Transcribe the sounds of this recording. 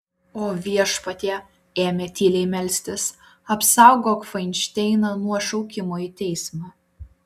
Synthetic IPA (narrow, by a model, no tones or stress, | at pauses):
oːʋʲiɛʃpɐt̪ʲeː | eːmʲeːt̪ʲiːlʲɛɪmʲɛlʲsʲt̪ʲɪs | ɐpsɑˑʊɡoːkfɐɪnʲt͡ʃʲt̪ʲɛɪnɐnuɔʃɐʊkʲɪmoːit̪ʲɛɪsmɑ